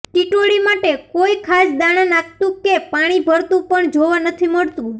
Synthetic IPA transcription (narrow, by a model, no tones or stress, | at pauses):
ʈiʈoɽimaʈekoikʰasd̪aɽ̃anak̚t̪ũkepaɽ̃ibʱəɾt̪ũpəɳd͡ʒoʋanət̪ʰiməɭt̪ũ